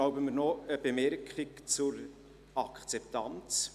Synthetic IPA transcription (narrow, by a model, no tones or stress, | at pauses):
aʊbəməɾnɔəb̥emɛɾkχikt͡sʊɾ | ɑkʰt͡sɛptɑnt͡s